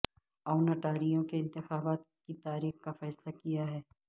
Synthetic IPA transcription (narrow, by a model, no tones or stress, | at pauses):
aːʊnɐʈaːɾijõkeɪ̃nt̪ɪxaːbaːt̪̚ | kit̪aːɾiːxkafɛːslakijaɦɛː